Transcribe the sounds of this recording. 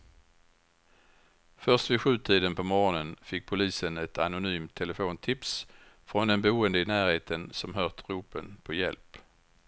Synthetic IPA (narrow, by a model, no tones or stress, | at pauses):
fœʁst̪vɪɧʉ̟ːt̪ʰiːd̪ənpʰɔmɔɾnənfɪkːpʰʊliːsənɛt̪anʊnyːmt̪ʰːɛləfoːnt̪ʰɪps | fɾɔnd̪ɛnbɛuːənd̪əɪnæːɾheːt̪ʰənsɔmɦœʁt̪ɾuːpənpʰɔjɛ̰lp